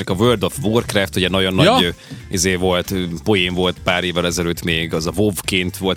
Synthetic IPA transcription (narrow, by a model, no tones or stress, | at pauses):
t͡ʃɒkɒvøːrd̪ofvorkrɛft̪uɟɛnɒɟo̞nːizeːvo̞lt̪po̞jiɱvo̞lt̪paːɾeːvːɛlɛzɛløːt̪meːɡɒzɒvovkeːnt̪ʋo̞lt̪